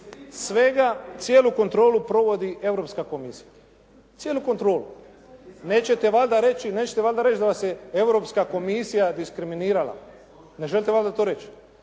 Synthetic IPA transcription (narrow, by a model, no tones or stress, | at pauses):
sʋe̞ɡat̪sjeːluko̞nt̪ɾo̞ːlupɾo̞ʋo̞d̪iʔe̞vɾo̞pskakomisi̥ja | t̪sjeːluko̞nt̪ɾo̞ːlu | neːt͡ʃe̞t̪eʋalʲd̪aɾe̞t͡ʃineːt͡ʃet̪eʋalʲd̪aɾet͡ʃd̪aʋaseewɾo̞pskako̞misijad̪iskɾiminiːɾala̰ | neʒelʲt̪eʋalʲd̪at̪oːɾe̞t͡ʃ